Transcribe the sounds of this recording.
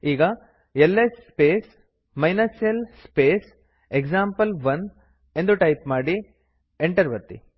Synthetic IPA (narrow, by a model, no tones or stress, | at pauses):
iːɡɐ | elːespeːs | mɐjnɐsjɐlspeːs | ekd͡ʒaːmpɐlʋɐn | e̞nd̪uʈɐjpmaːɽi | eɳʈɐɾʋɐɾt̪ḭ